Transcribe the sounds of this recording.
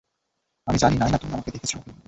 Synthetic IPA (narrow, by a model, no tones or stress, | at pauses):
amid͡ʑaninajnat̪omeamaked̪ekʰet͡ɕʰioe